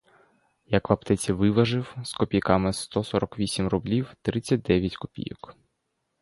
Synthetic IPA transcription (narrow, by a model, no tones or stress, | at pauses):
jɐkʋɐpt̪ɛt͡sʲiʋɪʋɐʒɪwskɔpʲijkɑmɪst̪ɔsɔɾɔkʋʲisʲimrʊblʲiwt̪ɾɪt͡sʲːɐt̚ʲd̪ɛʋʲjɐtʲkɔ̥pʲḭjɔ̰k